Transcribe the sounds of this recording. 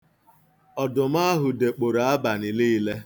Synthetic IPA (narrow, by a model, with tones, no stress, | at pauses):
ɔ˨dʊ˨m̩˦a˦ɦʊ˨de˨k͡po˨ɾa˨a˦ba˨ni˨li˦i˦le˦